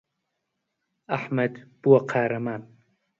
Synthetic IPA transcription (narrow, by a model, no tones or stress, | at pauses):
aħmɐd̪b̥uwɐqʰaːɾɐmaːn